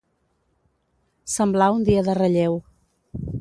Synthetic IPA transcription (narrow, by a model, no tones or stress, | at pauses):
səmblaund̪iəðərəʎew